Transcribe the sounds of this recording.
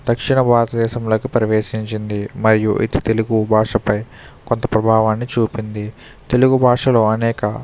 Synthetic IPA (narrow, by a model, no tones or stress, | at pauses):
d̪ɐkʂiɳɐbʱaːɾɐt̪ɐd̪ɛːʃɐmlo̞ːkipɾɐʋeːʃiɲt͡ʃind̪imɐɾijuʔḭt̪i̥t̪e̞luɡubʱaːʂɐpɐj | ko̞nt̪ɐpɾɐbʱaːʋaːnːit͡ʃuːpind̪i | t̪e̞luɡubʱaːʂɐlo̞ːɐnɛːkɐ